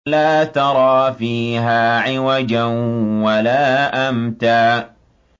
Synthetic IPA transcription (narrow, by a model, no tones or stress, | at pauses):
laːt̪ɑɾˤɑːfiːɦaːʕɪwad͡ʒanwalaːʔamt̪aː